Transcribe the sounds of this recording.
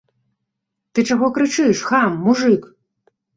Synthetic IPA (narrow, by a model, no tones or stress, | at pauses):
t̪ɨt͡ʂaɣɔkɾɨt͡ʂɨjʂxamːuʐɨk